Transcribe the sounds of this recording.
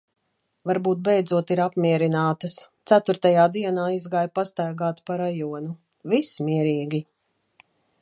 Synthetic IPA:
vaɾbuːt̪̚bɛjd̪zuɔt̪iɾapmiɛɾinaːt̪ɐst̪sæt̪uɾt̪ajaːd̪iɛnaːizɡaːjpast̪aːɡaːt̪paɾajuɔnu | vismiɛɾiːɡʲi

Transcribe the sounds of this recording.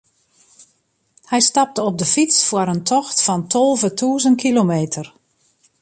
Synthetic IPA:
hɛjstɑp̚təɔb̚dəfisfwəəɾəntʰɔxtfɑntʰɔlˠvətʰuːzən̚kʰilomeːtʰər

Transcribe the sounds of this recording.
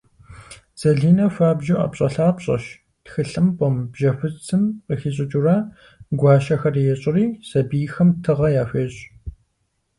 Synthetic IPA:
z̥ɐɮiːnɐfaːbʒuʔɐ̰pɕʼɐɬaːpɕʼɐ̰ʃ | txɨɬɨmpʷʼɔmbʒɐfɨt͡sʰɨmqəxiɕʼɪt͡ʃʼuraː | ɡʷɑːʃɐxɐrijɛɕʼɪriːsɐbijxɐmtʰɨʁɐjaːfʷeːɕʼ

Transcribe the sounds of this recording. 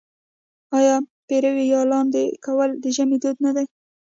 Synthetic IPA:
ɑjɑpeɾawejɑlɑnd̪ekawəld̪əʒamid̪od̪nad̪aj

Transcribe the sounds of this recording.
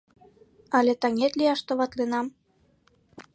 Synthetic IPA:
ɑlet̪ɑŋet̪lʲiɑʃt̪oβɑt̪lenɑm

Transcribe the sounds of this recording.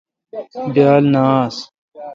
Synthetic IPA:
bjaːlnaːs

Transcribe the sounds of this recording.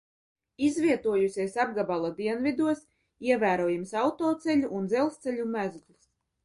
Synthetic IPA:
izvʲiɛt̪uɔjusʲisab̚ɡabalˠad̪iɛnvʲid̪uɔs | iɛvæːɾuɔːjimsɑwt̪oːt̪sɛʎʲuʔːnd̪zɛlˠst̪sɛʎʲumæzɡlˠs

